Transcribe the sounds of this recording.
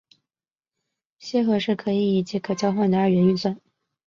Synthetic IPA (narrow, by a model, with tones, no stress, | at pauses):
ɕjɛ˥xɤ˧˥ʂɻ̩˥˩kʰɤ˧˥i˧˩i˧˨˩t͡ɕi˧˥kʰɤ˨˩t͡ɕjɑ˥ʊxwa˥˩nd̪ə˩ə˞˥˩ɥɛ˧˥ny˥˧swa˥˩n